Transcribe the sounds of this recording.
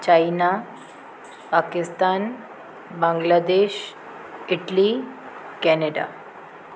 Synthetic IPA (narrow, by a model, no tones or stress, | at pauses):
t͡ɕajna | pakist̪an | bãŋɡlad̪eɕ | iʈli | kɛneɖa̰